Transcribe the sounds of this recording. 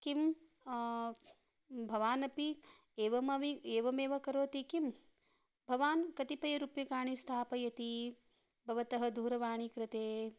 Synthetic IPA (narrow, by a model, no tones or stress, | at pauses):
kim | bʱɐʋaːnɐpi | eːʋɐmɐʋieːʋɐmeːʋɐkɐɾoːt̪ikim | bʱɐʋaːnkɐt̪ipɐjɐɾupjɐkaːɳist̪ʰaːpɐjɐt̪i | bʱɐʋɐt̪ɐɦɐ̆d̪ʱuːɾɐʋaːɳ̃ikɾɪt̪eː